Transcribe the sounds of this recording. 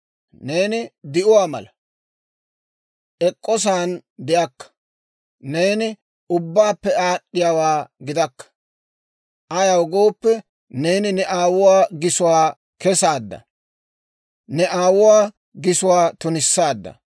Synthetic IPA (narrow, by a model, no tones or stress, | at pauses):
ne̞ːnɪd̪ɪʔʊwaːmɐ̰lɐ | ʔɛkʼːɔs̬aːnd̪ɪʔɐkːɐ̥ | ne̞ːnɪ | ʊbːaːpːɛaːɗːɪjawaːɡɪd̪ɐkːɐ̥ | ʔɐjɐwɡo̞ːpːɛ | ne̞ːnɪnɛʔaːwʊwaːɡɪsʊwaː | kɛsaːd̪ːɐ̰ | nɛʔaːwʊwaː | ɡɪsʊwaːt̪ʊnɪsːaːd̪ːɐ̰